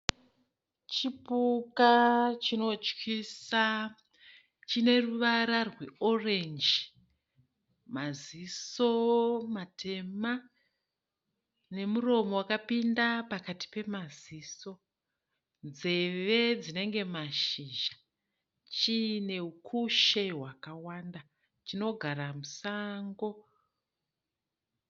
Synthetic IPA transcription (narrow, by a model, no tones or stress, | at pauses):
t͡ʃipukat͡ʃino̞t͡ʃkisa | t͡ʃine̞ruʋaɾarweo̞re̞nd͡ʒi | maziso̞matʰe̞ma | ne̞muro̞mo̞wakapindapakati̥pe̞maziːso̞ | nd͡ze̞ʋe̞d͡zine̞ŋɡe̞maʃiʒa | t͡ʃine̞ukʰuʃe̞ɦwakawanda | t͡ʃino̞ɡʱaɾamusaŋɡo̞